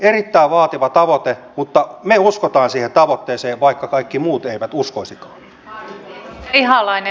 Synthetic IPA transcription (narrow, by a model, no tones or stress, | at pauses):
erit̪ːæiʋʋɑːt̪iʋɑt̪ɑʋot̪emut̪ːɑmeuskot̪ɑːnsiːhent̪ɑʋot̪ːeːseːʋʋɑikːɑkɑikːimuːt̪eiʋæt̪uskoisikɑː | ihɑlɑin